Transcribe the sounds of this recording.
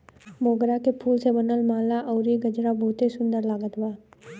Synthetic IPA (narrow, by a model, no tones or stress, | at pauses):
moːɡɾakepʰuːlsebənəlmaːlaʔɔːɾiɡəd͡ʒɾabɔːt̪isʊ̃nd̪əɾlaːɡət̪baː